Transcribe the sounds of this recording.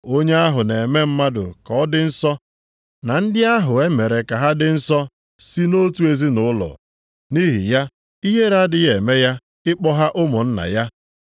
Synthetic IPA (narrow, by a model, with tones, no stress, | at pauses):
o˦ɲe˦a˦ɦʊ˨ne˨me˦m̩˦ma˦dʊ̰˨ka˨ɔ˦dɪ˦n̩˦sɔ˦ | na˨n̩˦dɪ˦a˦ɦʊ˨e˦me˨ɾe˨ka˨ɦa˦dɪ˨n̩˦sɔ˦ | si˦no˦tu˨˦e˦zi˦nʊ˨˦ʊ˦lɔ̰˨ | ni˦ɦḭ˨ja˦ | i˦ɦe˦ɾa˦dɪ˦ɣe˨me˦ja˦ | ɪ˦k͡pɔ˦ɦa˦ʔʊ˦mʊ˨n̩˦na̰˨ja˦